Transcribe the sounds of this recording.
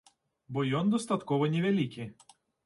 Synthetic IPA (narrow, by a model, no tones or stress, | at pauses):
bɔjɔnd̪ʊst̪ɐt̪koːʋonʲɛʋʲɛlʲiˑkʲe